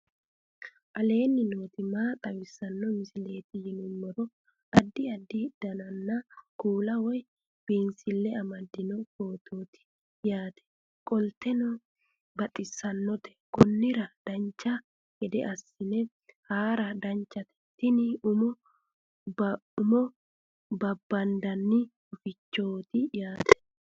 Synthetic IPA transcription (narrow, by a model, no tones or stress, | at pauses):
ʔɐle̞ːnːɪnoːt̪ɪmaːt̪ʼɐwɪsːɐnːɔmɪsɪle̞ːt̪ɪjɪnʊmːɔɾɔ | ɐd̪ːɪɐd̪ːɪd̪̥ɐnɐnːɐkuːlɐwɔj | b̥iːnsɪlːɛɐmɐd̪ːɪnɔko̞ːt̪ʰoːt̪ɪ̥ | jaːt̪ʰɛ̥ | kʼɔlt̪ɛnɔ | bɐt̪ʼɪsːɐnːɔt̪ɛ̥kɔnːɪɾɐd̪̥ɐnt͡ʃːɐ | hɛd̪ɛ̰ʔɐsːɪnɛ | haːɾɐd̪ɐnt͡ʃːɐt̪ɛ̥t̪ːɪnɪʊmɔ | ʊmɔ | bɐbːɐnd̪ɐnːɪ | ʊfɪt͡ʃːoːt̪ɪjaːt̪ɛ̥